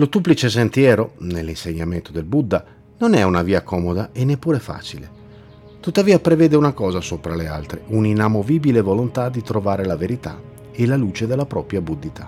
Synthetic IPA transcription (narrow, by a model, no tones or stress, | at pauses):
lot̪uːplit͡ʃes̬ent̪jɛːɾonelːinseɲːament̪od̪elbud̪ːa | nonɛunaviːakɔːmod̪aenːepːuːɾefa̰ːt͡ʃile | t̪ut̪ːaviːapɾevɛːd̪eunakɔːzasoːpɾalea̰lt̪ɾeuninamoviːbilevolont̪ad̪it̪ɾovaːɾelaveɾit̪a̰ | elaluːt͡ʃed̪ɛlːapɾɔpɾjabud̪ːit̪ʰa